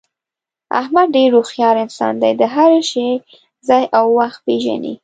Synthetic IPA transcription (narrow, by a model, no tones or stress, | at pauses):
a̰hmad̪̚ɖeɾːoxjɑɾɪnsɑ̰nd̪ajd̪əɦaɾʃe | zɑjʔawːaxt̪̚peʒa̰nḭ